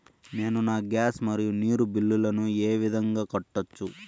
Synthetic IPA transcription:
ne̞ːnunaːɡjaːsmɐɾijuniːɾubilːulɐnueːʋid̪ʱɐŋɡaːkɐʈːɐt͡ʃːu

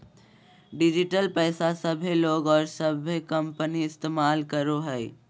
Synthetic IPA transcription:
ɖɪd͡ʒɪʈəlpɛɪsasəbʱeloːɡɔːɾsəbʱekəmpəniɪst̪eːmaːlkəɾoɦɛː

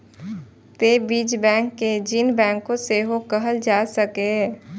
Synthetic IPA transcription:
t̪eːbiːd͡ʒbɛ̃ːŋkːed͡ʒiːnbɛ̃ːŋkːõseːɦokəɦəld͡ʒaːsəkeɦ

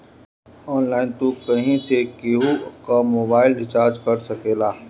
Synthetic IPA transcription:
ɔːnlaːɪnt̪uːkːɐɦĩsekeɦukamoːbaːɪlɖɪt͡ʃaːɾd͡ʒkɐɾsɐkeːlaː

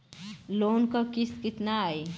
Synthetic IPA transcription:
loːnkakɪskɪt̪naaːe

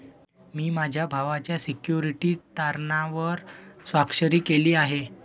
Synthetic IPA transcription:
miːmad͡ʑʱjabʱaʋat͡ɕjasikjuɾiʈiːt̪aɾɳaʋəɾsʋakʂəɾiːkeliːaɦe

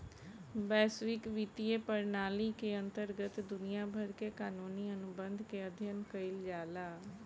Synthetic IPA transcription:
bɛːsʋɪkʋit̪ieːpəɾnaːliːkeːənt̪əɾɡət̪d̪ʊnijãːbʱəɾkeːkaːnuːniːənʊbənd̪ʱkeːəd̪ʱjənkəɪld͡ʒaːlaː

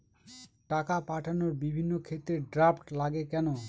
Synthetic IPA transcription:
ʈakapaʈʰanoɾbibʱinːokʰet̪ːɾeɖɾapʈlaɡekɛno

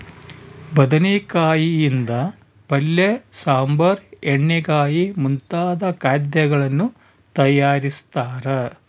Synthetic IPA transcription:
bɐd̪ɐnekaːjijind̪ɐ | pɐlːesaːmbɐɾeɳːeɡaːjimunt̪aːd̪ɐkaːd̪jɐɡɐɭɐnːu | t̪ɐjaːɾist̪aːɾe

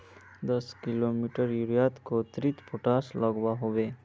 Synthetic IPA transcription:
d̪əskilomiʈəɾjuɾijaːt̪kot̪ɾit̪puʈaslaɡʋaɦoʋeː

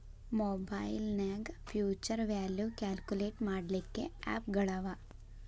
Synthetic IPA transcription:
moːbajlnaːɡpʰjuːt͡ʃɐɾʋjaːljukaːlkuleːʈmaːɽlikːe̞a̰ːpɡɐɭaːʋa

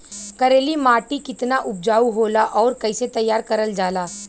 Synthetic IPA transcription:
kɐɾeːlimaːʈikɪt̪naʔʊp̚d͡ʒaːuɦoːlaʔɔːɾkɐɪset̪ɐjːaːɾkɐɾəld͡ʒaːlaː

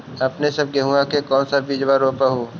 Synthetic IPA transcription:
ɐpnesɐb̚ɡeɦuakekɔːnsabid͡ʒʋaɾoːpaɦuː

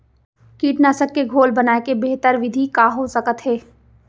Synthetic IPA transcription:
kiːʈnaːsəkːeɡʱoːlbɐnaːekebeɦt̪əɾʋɪd̪ʱikaːɦosɐkət̪ɦɛː

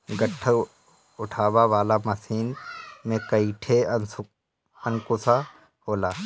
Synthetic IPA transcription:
ɡəʈʰːə | ʊʈʰaːʋaʋaːlaməsiːnmẽkəiʈʰeənʊ | ənkʊsa | ɦoːlaː

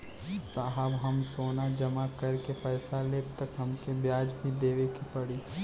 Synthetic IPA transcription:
saːɦəbɦɐmsoːnad͡ʒɐmakɐɾkepɛːsaleːbt̪əkɦɐmkebjaːd͡ʒbʱid̪eːʋekipɐɽi

